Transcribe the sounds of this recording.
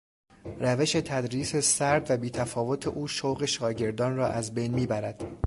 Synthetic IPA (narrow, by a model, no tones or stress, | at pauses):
ræve̞ʃe̞t̪ʰæd̪ɾiːse̞sæɾd̪væbiːt̪ʰæfɒːvo̞t̪ʰe̞ʔuːʃowɣe̞ʃɒːɟe̞ɾd̪ɒːnrɒːʔæzbe̞jnmiːbæɾæd̪̥